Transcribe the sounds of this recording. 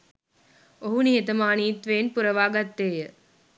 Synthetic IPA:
oɦunijet̪ɐmaːniːt̪ʋeːnpuɾɐʋaːɡɐt̪ːeːjə

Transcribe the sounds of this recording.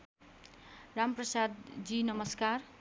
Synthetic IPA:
ramprʌsad̪d͡zinʌmʌskar

